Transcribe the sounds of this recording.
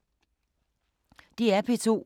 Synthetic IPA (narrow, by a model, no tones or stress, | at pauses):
d̥iæɐpʰet͡sʰo̝̰ː